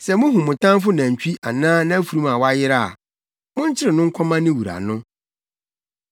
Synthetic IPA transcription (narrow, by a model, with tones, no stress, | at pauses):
sɛ˨mʊ̃˦ɦũ˨mʊ̃˨tʰã˦nfʊ˦nã˨ɲ̩˨t͡ɕᶣi˦ʔa˨nãː˦nã˦æ˦fu˨ɾũ˦mã˨wa˦jɪ˦ɾa˦˨ | mʊ̃˦ɲ˦t͡ɕʰɪ˦ɾɪ˨nʊ̃˦ŋ̩˦kʷʰɔ˦mã˦nɪ̃˦wu˨ɾa̰˨nʊ̃˦